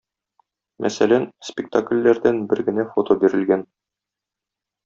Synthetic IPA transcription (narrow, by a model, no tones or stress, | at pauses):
mʔæ̰sælænspʲɪk̚t̪aklʲːæɾd̪ænbɘɾɡɘ̆næfot̪obiɾɘ̆lɡæn